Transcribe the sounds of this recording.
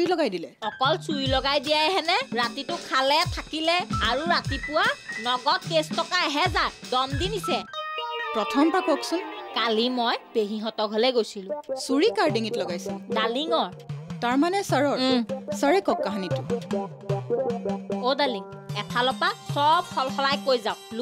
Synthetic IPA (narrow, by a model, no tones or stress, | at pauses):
ilɔɡajdilɛɔkɔlsuɹilɔɡajdijajɦɛnɛɹatitʊkʰalɛtʰakilɛaɹuɹatipʊwanɔɡɔt̚kestɔkaɦɛzadɔmdinisɛpɹɔtʰɔmpakɔksʊnkalimɔjb̥eɦiɦɔtɔkɦɔlɛɡojsilʊ̃suɹikaɹdeŋitlɔɡajsidaliŋɔɹtaɹmanɛsaɹɔɹsaɹekɔkːaɦanitʊ | odaliŋ | ɛtʰalɔpasɔb̚xʰɔlxɔlajkojzaʊ̃lu